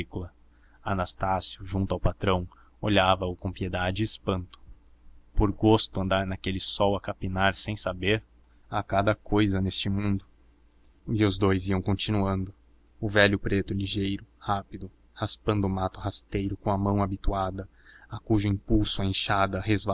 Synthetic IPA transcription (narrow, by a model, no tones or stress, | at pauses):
ikulɐ | anast̪asjʊʒũnt̪ʊawpat̪ɾɐ̃w̃ | oʎavɐʊkõpied̪ad͡ʒɪːspɐ̃nt̪ʊ̥ | poɾɡost̪ʊɐ̃nd̪aɾnakelɪsɔwɐkapinaɾsẽj̃sabeɾ | akad̪ɐkojzɐnest͡ʃɪmũnd̪ʊ | ɪʊzd̪ojziɐ̃w̃kõnt͡ʃinuɐ̃nd̪ʊ | ʊvɛʎjʊpɾet̪ʊliʒejɾʊhapid̪ʊ | haspɐ̃nd̪ʊmat̪ʊhast̪ejɾʊkõw̃ɐmɐ̃w̃abit̪uad̪ɐ | akuʒʊĩpuwsʊɐẽʃad̪ɐhezva